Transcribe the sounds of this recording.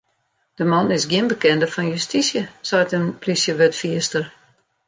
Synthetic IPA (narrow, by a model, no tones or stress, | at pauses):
d̥əmɔnɪsɡjiənbəkɛndəfɔnjystisjəsajtənpʰlisjəʋøtfiəstər